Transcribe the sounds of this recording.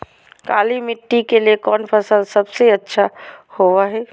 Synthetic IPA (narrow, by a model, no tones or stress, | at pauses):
kaːlimɪʈːikeliekɔːnpʰɐsəlsɐbseɐtːʃʰahoʋaɦɛː